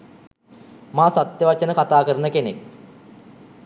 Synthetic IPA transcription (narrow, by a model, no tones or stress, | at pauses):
maːsat̪jəʋat͡ʃənəkat̪aːkəɾənəkenek̚